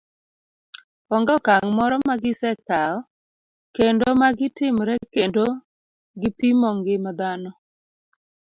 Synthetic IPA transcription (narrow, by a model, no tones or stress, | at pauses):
ɔŋɡɔkaŋmɔɾɔmaɡɪsɛkaɔ | kendomaɡɪtɪmɾɛkendo | ɡɪpimɔŋɡɪmad̪anɔ